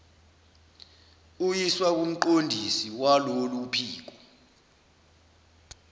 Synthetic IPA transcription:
ujiswak̬um̩ǃondʱisiwalolupʰiːk̬ɔ

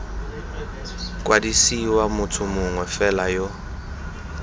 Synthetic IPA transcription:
kʼwadisiwamʊtʰʊmʊŋwɛfɛlajo

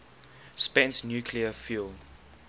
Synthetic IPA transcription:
spɛ̃ntnjukʰliəfil

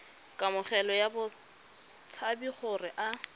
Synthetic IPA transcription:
kʼamʊχɛlɔjabʊ | t͡sʰabiχʊrɪʔa

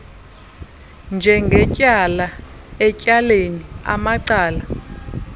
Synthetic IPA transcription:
nd͡ʒʱɛŋɡʱɛcʼala | ɛcʼalenia̰maǀaːla

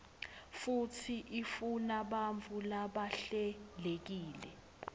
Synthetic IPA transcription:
futʰiʔifunaɓaɱvʱulaɓaɬɛlek̬iːlɛ

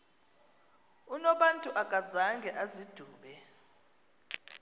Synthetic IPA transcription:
unɔɓantʼuʔakʼazaŋɡʱɛʔazid̥ʱuːɓɛ

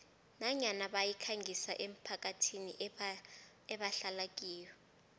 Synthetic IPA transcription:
naɲanaɓajikʰaŋɡʱisaʔem̩pʰak̬ʼatʰini | ɛɓaɬalak̬ʼiːjɔ

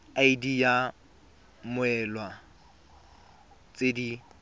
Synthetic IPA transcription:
aidija | mʊɛlwa | t͡sʼedi

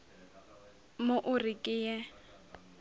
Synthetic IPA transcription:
moʔʊrikʼɪjɛ

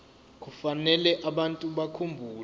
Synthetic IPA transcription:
k̬ufanɛlɛʔaɓantʼuɓakʰumbʱuːl

